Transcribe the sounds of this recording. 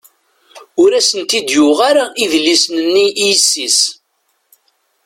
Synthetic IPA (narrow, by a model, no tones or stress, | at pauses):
ʊɾæsənt̪id̪juʁaɾaʔiðlːisnənːiʔijəsːis